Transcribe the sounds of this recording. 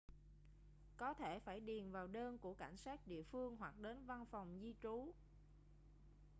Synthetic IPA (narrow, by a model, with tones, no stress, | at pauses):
kɔ˨˦t̪ʰe˧˩faː˧˩jɗi˨˩ənvaː˨˩wɗəː˧nku˧˩əka˧˩jŋ̟saː˦˥k̚ɗḭ˧˨əfɨ˧əŋɦwa˨˩k̚ɗe˨˦nva˧nfa˨˩wŋ͡mzi˧t͡ɕu˨˦